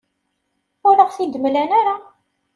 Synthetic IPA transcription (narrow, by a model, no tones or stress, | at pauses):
ʊɾəʁfid̪əmlænaɾa